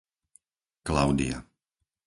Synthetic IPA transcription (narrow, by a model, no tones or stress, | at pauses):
klaʊd̪ḭa̰